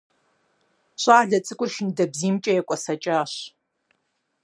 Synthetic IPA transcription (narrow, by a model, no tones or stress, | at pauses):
ɕʼaːɮɐt͡sʼɨkʷʼʊrʃɪndɐbziːmt͡ʃʼɐjɛkʷʼɔsɐt͡ʃʼaːɕ